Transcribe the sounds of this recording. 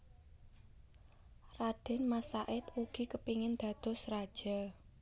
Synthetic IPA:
raɖ̥ɛ̤nmasaʔɪt̪uɡ̥i̤kəpiŋɪnd̪̥ä̤d̪̥ɔ̤srad̥ʒ̥a

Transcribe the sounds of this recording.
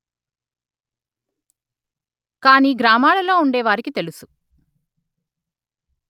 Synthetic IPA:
kaːniːɡɾaːmaːɭɐlo̞ːuɳɖɛːʋaːɾikit̪e̞lusu

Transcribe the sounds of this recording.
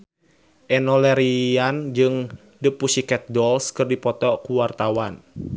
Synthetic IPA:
ʔɛnɔlɛɾiand͡ʒɨŋ | dəpusikɛt̪̚dɔlskɨrdipɔt̪ɔkuwart̪awan

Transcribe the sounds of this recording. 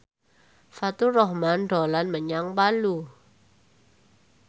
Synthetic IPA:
fat̪urɔhmanɖɔlanməɲaŋbalu

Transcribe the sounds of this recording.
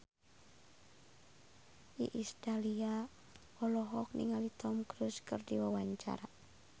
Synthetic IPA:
ʔḭʔist̪alia | ɔlɔɦɔk̚nḭŋalit̪ʰɔmkɾuskɨrdiwawaɲt͡ʃa̰ɾa

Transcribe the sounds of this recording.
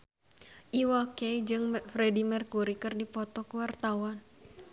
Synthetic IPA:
ʔiwakɛd͡ʒɨŋfɾɛdimɛrkuɾikɨrdipɔt̪ɔkuwart̪awan

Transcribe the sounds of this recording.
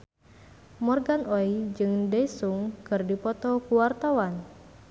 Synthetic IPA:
mɔrɡanoid͡ʒɨŋdɛsuŋkɨrdipɔt̪ɔkuwart̪awan

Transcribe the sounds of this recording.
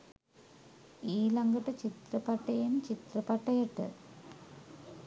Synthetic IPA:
iːlɐŋɡɐʈːɐt͡ɕit̪rɐpɐʈːɐjɐnt͡ɕit̪rɐpɐʈːɐjɐʈːɨ̰

